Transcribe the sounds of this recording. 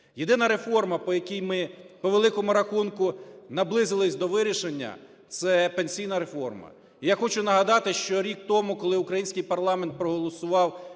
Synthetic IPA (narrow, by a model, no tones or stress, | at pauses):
jed̪ɪnɐɾe̞fɔrmɐpɔjɐkʲijmɪpɔʋelˠɪkɔmʊɾɐxunkʊnɐblˠɪzɪlˠɪsʲd̪ɔʋɪɾʲiʃenʲːɐ̰ | t̪sɛpenʲsʲijnɐɾe̞fɔ̰rmɐ̰ | ijaxɔt͡ʃʊnɐɦɐd̪ɑt̪ɪʃt͡ʃɔɾʲik̚t̪ɔmʊkɔlˠɪʊkɾɐjinʲsʲkɪjpɐrlˠɑment̪̚pɾɔɦɔlˠɔsʊʋɑw